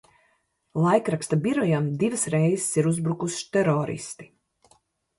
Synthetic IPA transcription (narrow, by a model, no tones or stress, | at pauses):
lˠajkɾakst̪abiɾɔjamd̪ivɨsɾɛjzsiɾuzbɾukusʃt̪ɛɾɔːɾḭst̪i̥